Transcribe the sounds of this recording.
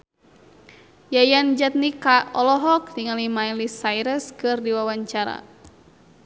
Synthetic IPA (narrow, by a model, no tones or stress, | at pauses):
jajand͡ʒat̪̚nikaɔlɔɦɔk̚niŋalimajlisajɾəskɨrdiwawaɲt͡ʃaɾa̰